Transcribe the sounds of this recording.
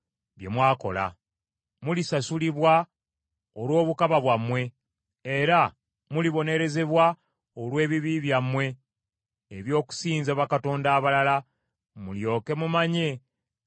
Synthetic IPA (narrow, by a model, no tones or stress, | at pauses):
βje̞̰mwaːko̞̰la̰ | mulisasuliβwa | olwo̞ːβukaβaβwamːwe̞ː | ɾa | muliβo̞ne̞ɾe̞ze̞βwa | olwe̞ːβiβiβjamːwe̞ː | βjo̞ːku̥siːnzaβakato̞ːndaːβalala | muljo̞ːke̞mumaɲe